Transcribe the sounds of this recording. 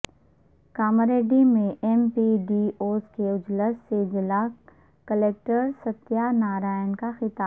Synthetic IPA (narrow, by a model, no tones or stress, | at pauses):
kaːməɾeːɖimẽʔɛmpiɖioːskeʊd͡ʒləsːed͡ʒɪla | kəleːk̚ʈəɾsɐt̪ːjanaːɾaːjənkaxɪt̪aː